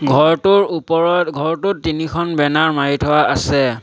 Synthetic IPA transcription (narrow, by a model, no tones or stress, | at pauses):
ɡʱɔɹtuɹupɔɹɔɡʱɔɹtutːinikʰɔnbɛnaɹmaitʰɔaasɛ